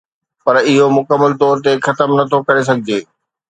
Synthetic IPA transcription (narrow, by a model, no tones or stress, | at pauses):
pɐɾɪɦomʊkəmːəlt̪ɔːɾt̪̬exɐt̪əmnɐt̪ʰokɐɾes̬ɐɡʱɪd͡ʑeː